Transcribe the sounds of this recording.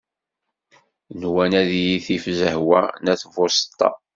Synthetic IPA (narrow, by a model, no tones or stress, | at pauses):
nwænæðjiθifzəhwænæθvost̪ˤːɑ̰